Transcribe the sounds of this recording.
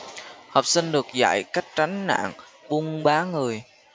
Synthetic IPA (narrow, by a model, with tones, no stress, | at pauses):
hɔ˨˩wp̚sï˧ŋɗɨ˨˩ək̚za̰˧˨jka˦˥jk̚t͡ɕa˨˦ŋ̟na̰ː˧˨ŋɓu˧ŋɓaː˨˦ŋɨ˨˩əj